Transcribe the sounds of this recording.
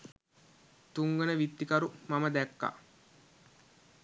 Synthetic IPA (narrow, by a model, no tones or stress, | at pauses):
t̪uŋɡənəʋit̪ːikaɾumaməd̪ækːa̰